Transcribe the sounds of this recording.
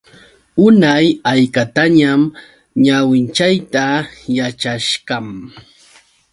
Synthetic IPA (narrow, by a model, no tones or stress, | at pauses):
ʊnajajkat̪aɲam | ɲawɪnt͡ʃajt̪ajat͡ʃaʃɢɑm